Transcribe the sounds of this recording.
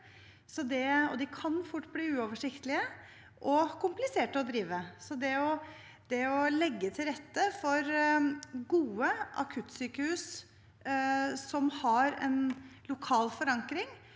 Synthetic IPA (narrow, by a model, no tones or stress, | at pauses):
sɔd̪ɛɔ̰d̪ɪkʰɑnfʊʈːbliːʉːɔʋəʂɪkt̪əlɪə | ʔɔkʰʊmplɪseːʈəɔd̪ɾiːʋəsɔd̪ɛɔ | d̪̥ɛɔlɛɡːət̪ʰɪlɾɛt̪ːəfɔɾ | ɡuːəʔɑ̰kʰʉt̪syːkəhʉːs | sɔmhɑɾɛ̰nlʊkʰɑːlfɔɾɑŋkɾɪŋ